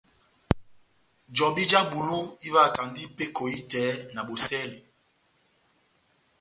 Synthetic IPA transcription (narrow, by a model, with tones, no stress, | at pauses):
d͡ʒɔ˨bi˦d͡ʒa˦bu˨lu˦i˦va˦˨ka˨ndi˦pe˦kʰo˨i˦tɛː˨˦na˨bo˨sɛ˦li˨